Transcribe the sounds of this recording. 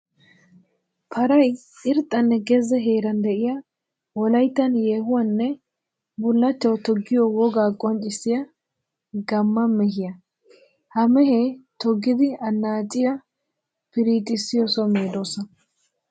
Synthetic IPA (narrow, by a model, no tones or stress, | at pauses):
pʰɐɾɐj | ɪɾt̪ʼːɐnːɛɡɛzɛɦeːɾɐnd̪ɛʔɪjɐ | wɔlɐjt̪ːɐnjeːɦʊwɐnːɛ | bʊlːɐt͡ʃːɐwt̪ɔɡːɪjɔwɔɡaːkʼːɔnt͡ʃʼɪsːɪjɐ | ɡɐmːɐmɛɦɪjɐ | hɐmɛhɛt̪ɔɡːɪd̪ɪɐnːaːt͡ʃʼɪjɐ | pɪɾiːt̪ʼɪsːɪjɔsɔmeːd̪o̞ːsɐn